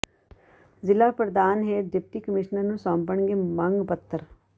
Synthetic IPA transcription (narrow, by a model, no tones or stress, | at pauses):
zɪlapɾəd̪aːnɦeɖɪp̚ʈikəmɪʃnəɾnũsɔ̃ːmpəɳɡemə̃ŋɡpət̪ːəɾ